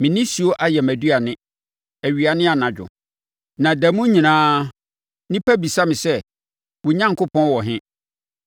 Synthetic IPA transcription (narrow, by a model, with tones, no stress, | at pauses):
mɪ̃˨nɪ̃˦su˦o˦ʔa˦jɛ˨mæ˨dɥa˨nɪ̃˦ | æ˨ɥi˨a˨nɪ̃˦a˨nã˨d͡ʑᶣʊ̰˨ | nã˨dæ˨mũ˦ɲĩ˨nãː˦ | nĩ˦pʰæ˦bi˨sa˦mɪ̃˨sɛ˦ | wʊ˨ɲã˦ŋ˨kʰʊ˦pʰɔ̃˦n˦wɔ˨ɦɪ̃˦